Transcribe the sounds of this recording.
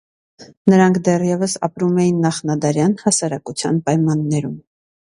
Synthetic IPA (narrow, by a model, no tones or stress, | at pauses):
nəɾɑŋkʰd̪ɛrjɛvəsɑ̰pɾumɛjinːɑχnɑd̪ɑɾjɑnhɑsɑɾɑkut͡sʰjɑ̰npɑjmɑnːɛɾum